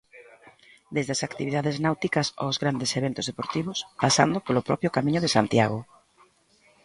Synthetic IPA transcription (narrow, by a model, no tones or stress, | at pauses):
d̪ezðeasakt̪iβiðaðeznawt̪ikɐso̰zɣɾand̪eseβent̪ʊzðepoɾt̪iβ̞ʊspasa̰nd̪ʊpolʊpɾɔpjʊkamĩɲʊðesant̪ja̰ɣo